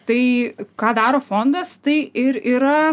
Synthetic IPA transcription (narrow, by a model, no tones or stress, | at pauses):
t̪ɐɪkɑːd̪ɑːɾoːfond̪ɐst̪ɐɪʔɪɾiːɾɐ